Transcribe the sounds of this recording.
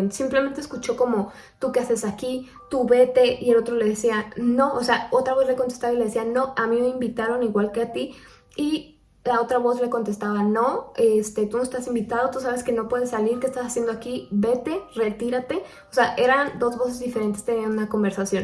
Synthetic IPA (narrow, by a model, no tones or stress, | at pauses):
nsimplemẽnt̪eskut͡ʃo̞ko̞mo̞ | t̪ukease̞saki | t̪uβe̞t̪e̞ʔielo̞t̪ɾo̞le̞ð̞esianoʔose̞ao̞t̪ɾaβ̞o̞sle̞ko̞nt̪e̞st̪aβaile̞ðe̞siano̞ʔamĩmeimbit̪aɾo̞niɣwalke̞at̪i | i | lao̞t̪ɾaβo̞zle̞ko̞nt̪e̞st̪aβano̞est̪e̞t̪unoesteasimbit̪að̞o̞t̪usaβe̞ske̞no̞pwe̞ðe̞sːaliɾkest̪asasje̞nd̪oakibe̞t̪e̞re̞t̪iɾat̪e̞ | oseaʔe̞ɾand̪o̞zβo̞s̬e̞zðifeɾe̞nt̪est̪e̞niaunako̞mbe̞ɾsasjo̞n